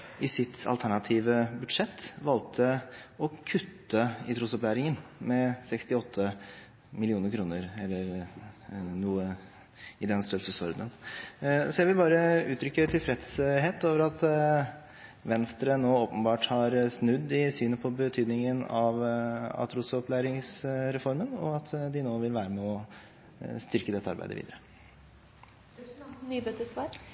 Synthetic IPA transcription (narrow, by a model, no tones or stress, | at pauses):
ɪsɪt̪ʰɑ̰lt̪ʰæɳɑt̪ʰiːʋəbʉd̪ʂɛt̪ːʋɑlt̪ʰəɔkʰʉt̪ːəɪt̪ʰɾuːsɔplæːɾɪŋənmɛsɛkst̪ɪɔt̪ʰːə | mɪlɪuːnəɾkʰɾuːnəɾɛlːəɾ | nuːə | ɪd̪ɛnst̪œlsəsɔɾd̪ən | sɔjæɪʋɪlbɑːɾəʉːt̪ʰɾʏkːət̪ʰɪlfɾɛt̪sɦeːt̪oːʋəɾɑt̪ | ʋɛnst̪ɾənoːoːpənbɑːʈhɑɾsnʉd̪ːɪsyːnəpʰɔbət̪ʰyːd̪nɪŋənɑʋɑ̰t̪ʰɾuːsəɔpʰlæːɾɪŋsɾɛfɔɾmənɔ̰ɑt̪d̪ɪnoːʋɪlʋæːɾəmɛɔ | st̪ʏɾkəd̪ɛt̪ːəɑ̰ɾbæ̰ɪd̪əʋḭːd̪əɾə | nybøt̪əsʋɑːɾ